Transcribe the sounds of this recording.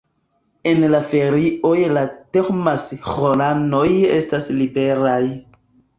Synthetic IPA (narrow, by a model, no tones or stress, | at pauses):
e̞nlafe̞ɾiʔojlateχmasχolano̞je̞̰staslibe̞ɾaj